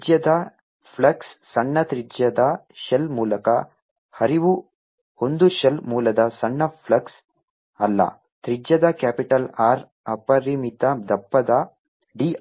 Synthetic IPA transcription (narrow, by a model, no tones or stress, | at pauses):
d͡ʒjɐd̪ɐ | pʰlɐksːɐɳːɐt̪ɾid͡ʒjɐd̪ɐ | ʃɐlmuːlɐkɐ | hɐɾiʋu | hond̪uʃɐlmuːlɐd̪ɐsɐɳːɐpʰlɐks | ɐlːɐ̰ | t̪ɾid͡ʒjɐd̪ɐkaːpiʈɐlaːɾ | ɐpɐɾimit̪ɐd̪ɐpːɐd̪ɐ | ɖiː